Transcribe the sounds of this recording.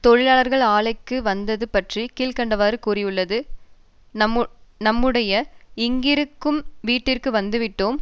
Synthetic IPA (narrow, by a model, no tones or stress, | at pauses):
t̪ɔɻɪlaːɭɐɾɣɐɭaːɭɐɪkːɯʋɐnd̪ɐðɯpɐʈrikiːlkɐɳɖɐʋaːɾɯkuɾɪjɯɭːɐðɯ | nɐmːnɐmːɯɽɐjɐɪŋɡɪɾɯkːɯmʋiːʈːɪrkɯʋɐnd̪ɯʋɪʈːoːm